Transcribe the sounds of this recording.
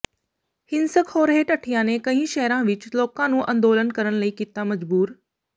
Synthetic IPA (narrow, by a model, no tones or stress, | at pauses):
hɪnsəkhoːɾɦeːʈɐʈʰijãnẽkɐ̃ɦĩʃɐɦɾãʋɪt͡ʃloːkãnũːʔɐ̃nd̪oːlənkɐɾəɽ̃lɐiːkɪt̪amɐd͡ʒbuːɾ